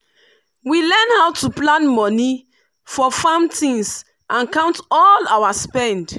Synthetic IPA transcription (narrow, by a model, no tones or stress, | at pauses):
wilɛnhawtuplãnmɔ̃ni | fɔfãmtĩŋs | ʔãnkãʊ̃ntɔlawaspɛ̃nd